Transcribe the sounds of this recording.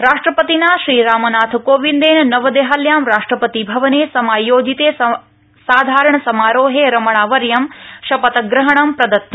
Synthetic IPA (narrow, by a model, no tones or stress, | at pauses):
ɾaːʂʈɾɐpɐt̪inaːʃɾiːɾaːmɐnaːt̪ʰkoːʋind̪eːnnɐʋɐd̪eːɦaljaːmɾaːʂʈɾɐpɐt̪ibʱɐʋɐneːsɐmaːjoːd͡ʒit̪eː | saːd̪ʱaːɾɐɳ̃ɐsɐmaːɾoːɦeːɾɐmɐɳ̃aːʋɐɾjɐmʃɐpɐt̪ɐɡɾɐɦɐɳɐmpɾɐd̪ɐt̪ːɐ